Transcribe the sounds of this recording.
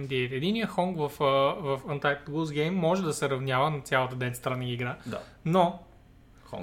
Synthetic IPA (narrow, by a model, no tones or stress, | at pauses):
nd̪iɛt̪ɛd̪inijəxɔŋɡvɐfəvɐfɐnt̪ajk̚t̪ɡuzɡɛjmːɔʒɛd̪ɐsɛɾɐvnʲjavənɐt̪sʲjalˠɐt̪əd̪ɛnst̪ɾanaɡʲiɡɾad̪a̰no | ɔ̰ŋ